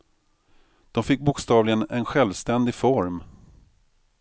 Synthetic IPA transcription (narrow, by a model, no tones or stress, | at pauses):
d̪̥ɔmfɪk̚ːbʊkst̪ɑːvlɪɡənɛnɧɛlvst̪ɛnd̪ɪfɔɾm